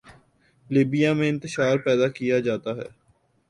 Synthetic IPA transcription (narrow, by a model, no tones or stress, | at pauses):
liːbijamẽɪ̃nt̪ɪʃaːɾpɛːd̪akijad͡ʒaːt̪aɦɛ̰ː